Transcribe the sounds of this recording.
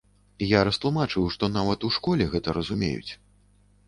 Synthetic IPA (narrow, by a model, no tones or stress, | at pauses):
jaɾɐst̪lˠumat͡ʂɨwʂt̪ɔnavɐt̪uʂkɔlʲɛɣɛt̪ɐɾɐzumʲḛjṵt͡sʲ